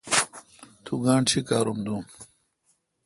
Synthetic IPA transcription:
t̪ʰuɡaːɳt͡ɕʰikaːɾumd̪um

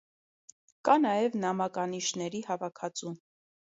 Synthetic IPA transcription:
kɑnɑjɛvnɑmɑkɑniʃnɛɾihɑvɑkʰɑt͡sum

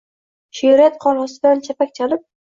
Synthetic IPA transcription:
ʃijuɾat̪qʰɒɾʁɒsɪd̪ant͡ʃʰapak̚ʲt͡ʃʰalɪp̚

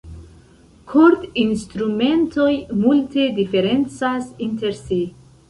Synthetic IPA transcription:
kʰoɾt̪inst̪ɾume̞nto̞jmulte̞dife̞ɾe̞nt͡sasinte̞ɾsi

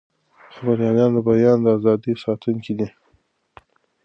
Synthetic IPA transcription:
xabəɾjɑlɑnd̪əbajɑnd̪əazɑd̪isɑt̪uŋkid̪i

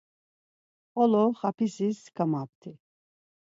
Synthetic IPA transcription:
ɔlɔχapʰisiskʰamap̚t̪ʰi

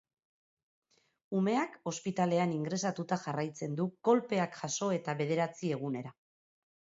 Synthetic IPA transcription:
ume̞ako̞spit̪ale̞aniŋɡɾe̞sat̪ut̪axarajt͡se̞nd̪uɡ̥o̞lpe̞akxaso̞e̞t̪aβe̞ð̞e̞ɾat͡sie̞ɣ̞une̞ɾa

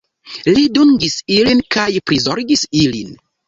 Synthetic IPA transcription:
liduŋɡisilinkajpɾizoɾɡisilḭn

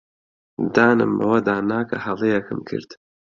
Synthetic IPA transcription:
d̪aːnɨ̰mɐ̰wɐd̪aːnaːkʰɐhɐlˠejɛkɨmkʰɨ̰ɾd̪̥

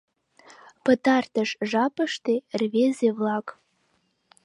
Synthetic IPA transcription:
pə̆t̪ɑrt̪əʃʒɑpə̆ʃt̪erβezeβlɑk

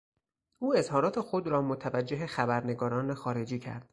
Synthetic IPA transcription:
ʔuːe̞zhɒːɾɒːt̪ʰe̞xod̪ɾɒːmot̪ʰævæd͡ʒːeɦexæbæɾne̞ɡɒːɾɒːnexɒːɾe̞d͡ʒiːcʰæ̰ɾd̪̥

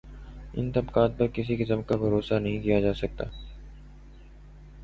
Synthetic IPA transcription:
ɪ̰nt̪ɐbkaːt̪̚pɐɾkɪs̬ikɪsəmkabʱɐɾoːsanɐɦĩkijad͡ʒaːsɐk̚t̪a̰ː

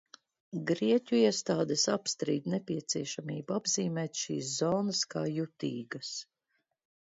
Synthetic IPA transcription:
ɡɾiɛcʲuiɛst̪aːd̪ɛsapst̪ɾiːd̪nɛpʲiɛt̪siɛʃamiːbuabziːmɛːt̪ʃiːs̬zɔːnaskaːjut̪iːɡɐs

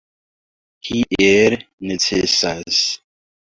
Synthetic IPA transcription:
hʰiʔeɾ | net͡sesas

